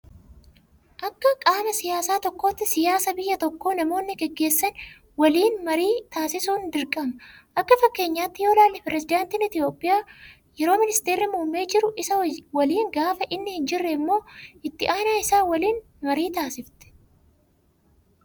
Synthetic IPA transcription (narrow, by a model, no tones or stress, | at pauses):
ʔɐkːɐkʼaːmɐsɪjaːsaːt̪ɔkːo̞ːt̪ːɪsɪjaːsɐbɪjːɐt̪ɔkːo̞ːnɐmo̞ːnːɪɡɛɡːe̞ːsːɐn | wɐliːnmɐɾiːt̪aːsɪsuːnd̪ɪɾkʼɐmɐʔɐkːɐfɐkːe̞ːɲːaːt̪ːɪjo̞ːlaːlːɪpɪɾɛzɪd̪aːnt̪ɪnɪt̪ɪjo̞ːpʼːɪjaː | jɛɾo̞ːmɪnɪst̪eːɾːɪmuːmːe̞ːd͡ʒɪɾʊʔɪsɐwɐliːŋɡaːfɐʔɪnːɪhɪnd͡ʒɪrːɛɪmːo̞ːʔɪt̪ːɪʔaːnaːɪsaːwɐliːn | mɐɾiːt̪aːsɪft̪ɛ̥